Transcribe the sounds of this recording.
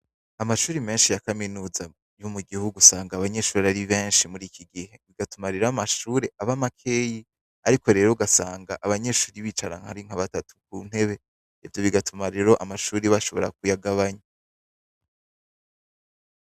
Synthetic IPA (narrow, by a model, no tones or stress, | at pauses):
amaʃuːɾime̞ːnʃijakaminuːza | jumuɡihuɡusaːŋɡaːβaɲe̞ʃuːɾeaɾiβe̞ːnʃimuɾiːkʰiɡihe̞βiɡatumaɾiɾamaʃuːɾe̞ʔaβamakʰe̞ːji | aɾiko̞ɾe̞ːɾoɡasaːŋɡaʔaβaɲe̞ʃuːɾiβiːt͡ʃaɾa̰ŋha̰ɾiŋ̥aβatatʰu̥k̚un̥he̞βe̞ | ivjo̞βiɡatʰumaɾeɾo̞ʔamaʃuːɾiβaʃo̞βo̞̰ɾa̰k̚ujaɡaβaɲa